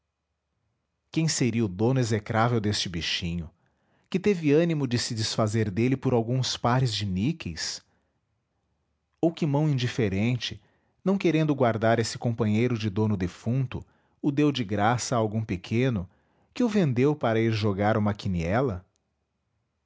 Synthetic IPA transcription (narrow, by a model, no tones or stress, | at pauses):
kẽj̃seɾiɐʊd̪õnʊezekɾavewd̪est͡ʃɪbiʃĩɲʊ | kɪt̪evɪɐ̃nimʊd͡ʒɪsɪd͡ʒɪsfazeɾd̪elɪpʊɾawɡũspaɾɪzd͡ʒɪmikejs | owkɪmɐ̃w̃ĩd͡ʒifeɾẽnt͡ʃɪ | nɐ̃w̃keɾẽnd̪ʊɡwaɾd̪aɾesɪ̥kõmpɐ̃ɲejɾʊd͡ʒɪd̪õnʊd̪efũnt̪ʊ̰ | ʊd̪ewd͡ʒɪɡɾasɐːwɡũpekʰẽnʊ | kɪʊvẽnd̪ewpaɾɐiɾʒoɡaɾũmɐkiniɛlɐ